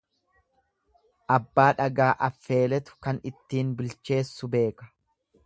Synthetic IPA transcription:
ʔɐbːaːᶑɐɡaːʔɐfːe̞ːlɛt̪ʊ̥kɐnɪt̪ːiːnbɪlt͡ʃe̞ːsːʊbe̞ːkɐ̥

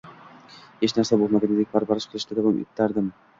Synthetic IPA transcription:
het͡ʃnaɾsabolˠmaɡʲanɪd̪ek̚ʲbaɾpaɾɪʃqʰɨlˠɪʃt̪ɪd̪abamɪ̰t̪ʰːaɾd̪ɪm

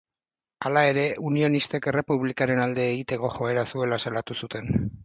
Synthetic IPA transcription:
alae̞ɾe̞unio̞nist̪ekere̞puβlikaɾe̞nald̪eːɣit̪e̞ko̞xo̞e̞ɾasue̞lasalat̪usut̪e̞n

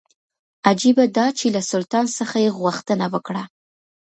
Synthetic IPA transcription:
ad͡ʒibad̪ɑt͡ʃelasʊlt̪ɑnsəxajeɣwaxt̪ənawəkɽa

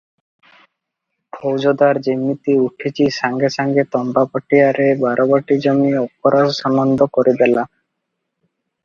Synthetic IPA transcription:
pʰowd͡ʑod̪aɾd͡ʑimːit̪iuʈʰit͡ɕisaŋɡesaŋɡet̪ɔmbapɔʈijaɾebaɾʔɔbaʈid͡ʑɔmiɔpɔɾaʃɔnɔnd̪ʱɔkɔɾed̪ɛla

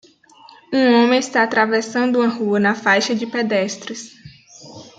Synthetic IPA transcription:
ũõmẽɪst̪aːt̪ɾavesɐ̃nd̪ʊũɐ̃ɦuɐnɐfajʃɐd͡ʒɪped̪ɛst̪ɾɪs

